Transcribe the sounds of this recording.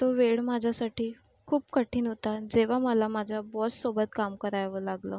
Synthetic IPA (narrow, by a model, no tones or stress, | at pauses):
t̪oʋeɭmad͡ʑʱasaʈiː | kʰuːpkəʈʰiːnəʋt̪ad͡zeʋ̤aməlamad͡zʱabɔssobət̪kamkəɾajʋəlaɡləː